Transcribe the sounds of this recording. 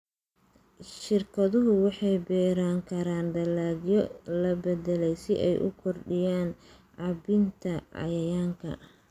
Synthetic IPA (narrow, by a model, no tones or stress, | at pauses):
ʃɪrkʰɐðʊɦʊwɑħɑjbɛːɾaːŋkʰɐɾaːndɐlaːɡjɔlɐbɛðɛlɛjsɪʔɛ̰jʔʊ̰kʰɔrɖɪjaːn | ʕɑbɪnt̪ʰɐɑ̰jɐjaːŋkʰɐ̰